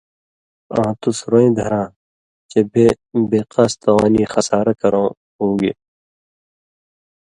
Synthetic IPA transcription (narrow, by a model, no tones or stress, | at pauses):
ãːt̪usɾoːẽːd̪ʱɐɾãː | t͡ʃebʱe | beːqast̪ɐwaːniːxɐsaːɾɐkɐɾõː | hũːɡḛː